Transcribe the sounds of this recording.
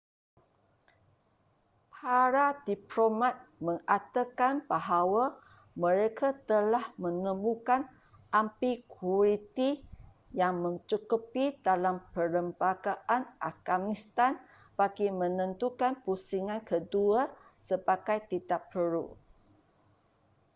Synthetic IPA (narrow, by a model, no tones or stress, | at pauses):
pʰaɾadiplomãt̪̚mə̃ŋʔat̪əkanbaɦawa | mə̃ɾekʰat̪əlahmə̃nə̃mukan | ʔampikʰuɾit̪i | jaŋmə̃nt͡ʃukupidalampələmbaɡaʔanʔaɡ̥amist̪an | b̥aɡimə̃nə̃nt̪ukanpusiŋãnkʰəduasəbaɡajt̪it̪apəɾṵ